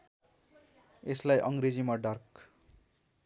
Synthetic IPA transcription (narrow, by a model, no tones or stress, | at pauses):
eslajʔʌŋɡɾed͡zimaɖʌrk